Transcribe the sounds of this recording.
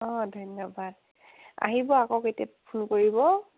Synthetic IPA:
ɔdʱɔjnːɔbad̚ | a̰ɦibɔakɔketia̰pʰunkoɹibɔ

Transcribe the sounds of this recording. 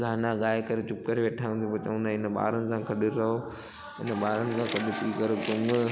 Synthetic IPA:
ɡʱaːnaɠaːekɐɾet͡ɕʊkːəɾʋeːʈʰaːə̃nt̪ipot͡ɕɐʋə̃nd̪ãːɪnəɓa̰ːɾənɪ̆sãkʰɐɗɪɾɐɦo | ɪ̰nəɓaːɾənɪ̆sãːkʰɐɗɪt̪iːkɐɾot̪ʊm

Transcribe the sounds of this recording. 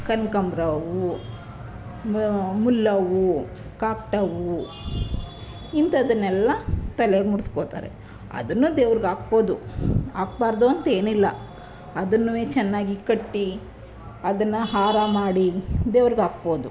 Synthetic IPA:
kɐnkɐmbɾɐʋu | mulːɐʋu | kaːk̚ʈɐʋu | int̪ɐd̪ɐnːɛlːɐt̪ɐleɡmuɽiskoːt̪a̰ːɾḛ | ɐ̰d̪ɐnːuːd̪eːʋɐɾiɡaːk̚bo̞ːd̪uaːk̚baːɾd̪uɐnt̪ɐe̞ːnilːɐ | ɐd̪ɐnːuʋeːt͡ʃɛnːaːɡikɐʈːi | ɐd̪ɐnːɐɦaːɾamaːɽid̪eːʋɾiɡaːkbo̞ːd̪u

